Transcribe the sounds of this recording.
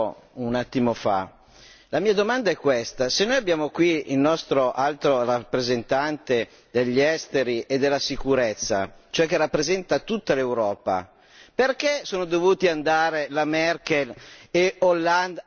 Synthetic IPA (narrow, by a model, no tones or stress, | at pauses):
unat̪ːimofa̰ | lamiːad̪omand̪aɛkːwest̪asenːojabːjaːmokwiilnɔst̪ɾoʔalt̪ɾorapːɾezent̪ant̪e | d̪eʎːɛst̪eɾiʔed̪ːelːasikuɾet̪sːa̰t͡ʃoɛk̟ːerapːɾezɛnt̪at̪ut̪ːalewɾɔːpa̰ | perkesoːnod̪ovuːt̪iand̪aːɾelamɛrk̟eleolːand̪